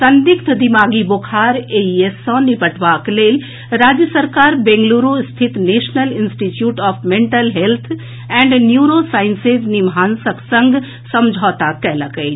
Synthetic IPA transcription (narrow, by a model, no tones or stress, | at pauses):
sənd̪ikt̪ʰd̪imaːɡibokʰaːɾeiesɔ̃nipəʈʰʋakleːl | ɾaːd͡ʒjəsəɾkaːɾbẽŋɡluɾust̪ʰit̪neːʃnəlinsʈit͡ʃjuːʈɔːpʰmẽɳʈəlɦelt̪ʰ | ɛ̃ɳɖnjuɾosaːɪnsed͡ʒnimaːnsəksə̃ŋɡ | səmd͡ʒʱɔːt̪akɛləkəjt͡ʃ